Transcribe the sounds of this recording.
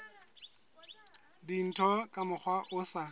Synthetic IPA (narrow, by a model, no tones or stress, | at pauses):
din̩tʰɔkʼamʊk͡xʰwaʔʊsa